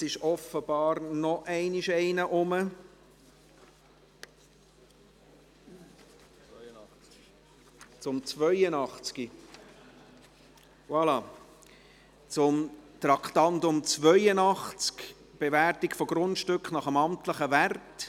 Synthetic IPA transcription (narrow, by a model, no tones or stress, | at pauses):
sɪʃɔfəb̥ɑːɾnɔʔɛɪniʃɛɪnəʔʊmə | t͡sʊmt͡svœʏənɑχt͡ski | wɑlɑ | t͡sʊmt̪rɑkχtɑntʊmt͡svœʏənɑχt͡sk | b̥eværtikfɔɡ̥ɾʊntʃtɵkχnɑχəmɑmtləχəvært